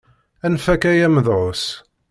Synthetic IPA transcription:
ænfækæjæməðʕos

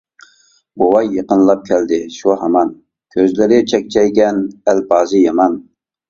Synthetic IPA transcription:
bowɑjːəqənlˠɑp̚kʲʰɛld̪ɪʃuɦɑmɑn | kʲʰøzlɪɾɪt͡ʃʰɛk̚ʲt͡ʃʰɛjɡʲɛnælbɑːzɨjɑmɑn

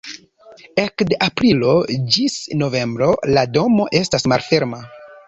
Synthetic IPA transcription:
ekdeʔapɾilo̞d͡ʒisno̞ve̞mbɾo̞lado̞mo̞ʔe̞stasmalfe̞ɾma

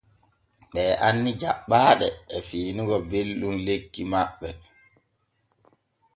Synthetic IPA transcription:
ɓɛːʔanːid͡ʒaɓːaːɗɛːfiːnuɡɔbelɗumlekːimaɓːɛ

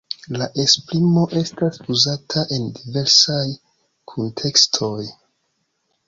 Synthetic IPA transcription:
laʔe̞spɾimo̞ʔe̞stasuzatʰaʔe̞ndive̞ɾsaj | kʰontʰe̞kstʰo̞j

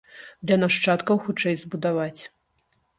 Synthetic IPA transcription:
d̪lʲɐnaʂt͡ʂat̪kɐwxut͡ʂɛjzbud̪avat͡sʲ

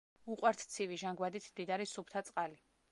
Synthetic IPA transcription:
uqʼwaɾt̪ʰt̪sʰiviʒaŋɡwad̪it̪ʰmd̪id̪aɾisupʰt̪ʰat̪sʼqʼali

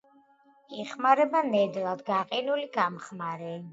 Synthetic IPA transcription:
iχmaɾɛbanɛd̪lˠad̪ɡaqʼinuliɡamχmaɾɛ

